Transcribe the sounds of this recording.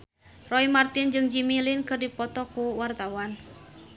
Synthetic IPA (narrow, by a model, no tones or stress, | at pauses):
rɔimart̪ɪnd͡ʒɨŋd͡ʒimilinkɨrdipɔt̪ɔkuwart̪awan